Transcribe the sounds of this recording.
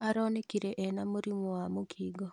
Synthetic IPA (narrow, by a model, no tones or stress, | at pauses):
aɾɔnekiɾeʔɛnamuɾimɔwamokʰiːɡɔ